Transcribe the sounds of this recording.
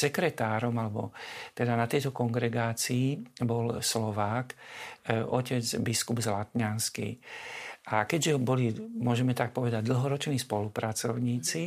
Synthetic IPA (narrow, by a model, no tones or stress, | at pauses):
sɛkɾɛt̪aːɾɔmalɛbɔ̰t̪ɛd̪anat̪ɛjt̪ɔkɔŋɡɾɛɡaːt͡siːbɔlslɔʋaːk | ɔcɛd͡zbiskubzlat̪ɲanskḭ | ʔakɛɟʒɛbɔlimʊɔʒɛmɛt̪ak̚pɔʋɛd̪aɟd̪l̩ɦɔɾɔt͡ʃniːspɔlupɾat͡sɔʊɲiːt͡si